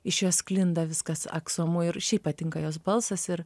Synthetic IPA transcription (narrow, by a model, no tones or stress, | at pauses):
ɪʃjoːsklʲɪnd̪ɐʋʲɪskɐsɐ̰ksuɔmʊɪɾʃʲɛɪppɐt̪ʲɪŋkɐjoːs̬bɐlˠsɐsɪɾ